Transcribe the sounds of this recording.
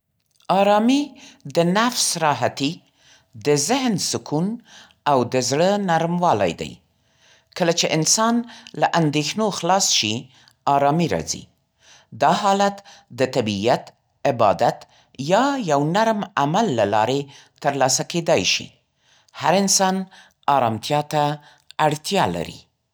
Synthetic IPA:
ɑɾɑmid̪ənafsɾɑɦat̪i | d̪əzɪɦnsʊkun | awd̪əzɽənaɾmwɑla̰jd̪a̰j | kəlat͡ʃeʔɪnsɑnlaʔand̪exnoxlɑsʃi | ɑɾɑmiɾɑ̰zḭ | d̪ɑɦɑlat̪d̪ət̪abijat̪ | ɪbɑd̪at̪ | jɑjawnaɾmamalːalɑɾe | t̪əɾlɑsaked̪ɑjʃḭ | haɾɪnsɑn | ɑɾɑmt̪jɑt̪aː | ɽt̪jɑla̰ɾḭ

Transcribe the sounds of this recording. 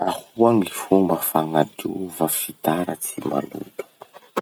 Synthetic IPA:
ahuaŋilifumbəfaŋad̪uvafit̪aɾət͡sima̰lṵlu̥

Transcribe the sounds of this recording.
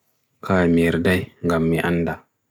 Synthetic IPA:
kʰaːmiɾdajŋɡamːiʔanːda

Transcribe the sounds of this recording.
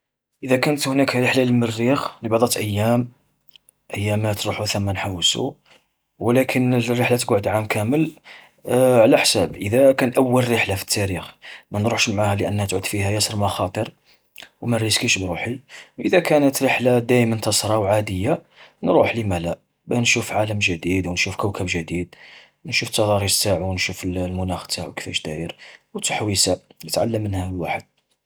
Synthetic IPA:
ʔəd̪ækænət̪hnækɾəħlaləlmərːixlibɑʕd̪ˤɑt̪ʔəjːæm | ʔəjːæmæt̪ɾuħuθæmːænħawːsṵ | wlækʰənrːəħlat̪ɡaʕəd̪ʕamkʰæməl | ʕlæħsæbʔəd̪ækænʔəwːəlɾəħlafə̥t̪ʰːæɾixmænɾuħʃmʕahæləʔənːhæt̪ʕud̪fihæjæsəɾˤmɑxɑt̪ˤəɾ | wmæɾəzkiʃbɾuħiwʔəd̪ækænət̪ɾəħlad̪æjmənt̪ɑsɾˤɑwʕad̪əjːa | nɾˤuħlimælæ | bænʃufʕaləmʒəd̪id̪wnʃufkəwkʰæbʒəd̪id̪̚ | nʃuft̪ːɑd̪ˤɑɾisaʕuwnʃufəllmʊnæxt̪aʕukə̥fæʃd̪æjəɾwt̪əħwisajət̪ʕa̰lːəmːənhæwaħəd̪̥̚

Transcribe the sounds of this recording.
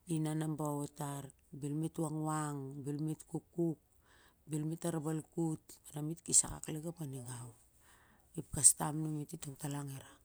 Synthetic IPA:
inanambaotaɾ | bilmituwaŋwaŋbilmitkukːuk̚ | bilmitaɾabalkutanamitkisa̰ka̰kleɡapaniɡaw | ip̚kastamnumititoŋtalaŋeɾa

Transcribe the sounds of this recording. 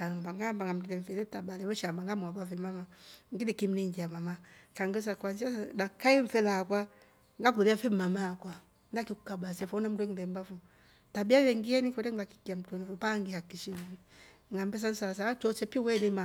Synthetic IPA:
aŋabaŋɡambaŋɡam̩dɛdɛɱfɛnɛtabalɛβɔʃambaŋɡamuabafɛmamaŋɡidikim̩niŋɡiamamakaŋɡes̬akwanziadakaiɱfɛlakwa | ŋɡak̬uɾiafɛmamakwa | ndakiku̥kabasɛfɔnam̩dɛŋbɛmbafu | tabiawɛŋɡiɛnikɔɾɛŋaki̥kiam̩tɔnifupaŋɡihakiʃimi | ŋɡambɛs̬an̩sas̬at͡ʃɔt͡ʃɛpiwɛnima

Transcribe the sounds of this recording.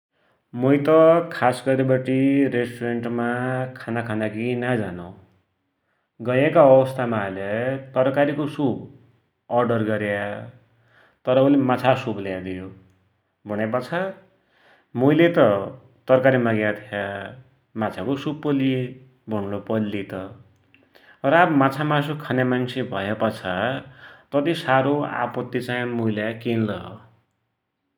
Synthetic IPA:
mujt̪ʌkʰasɡʌɾibʌʈiɾesʈureɳʈmakʰanakʰanakinad͡zanow | ɡʌjekaʌbʌst̪ʰamalet̪ʌɾkaɾikosub | ʌrɖʌrɡʌɾja | t̪ʌɾʌulemat͡sʰasubljad̪ijo | bʱuñep̬ʌt͡sʰa | mujlet̪ʌ | t̪ʌrkaɾimaɡjat̪ʰja | mat͡sʰakosupːʌli | bʱunnopʌlːit̪ʌ | ʌɾabmat͡sʰamasokʰanjamansʰebʱʌjepʌt͡sʰa | t̪ʌt̪isaɾoa̰pʌt̪ːit͡saĩmujljakenlʌɦ

